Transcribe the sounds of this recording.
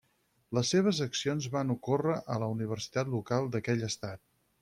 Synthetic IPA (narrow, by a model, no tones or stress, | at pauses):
ləsːeβ̞əzəksionzβanukorəʔələuniβ̞əɾsi̥t̪at̪lukalˠd̪əkɛʎəst̪at̪̚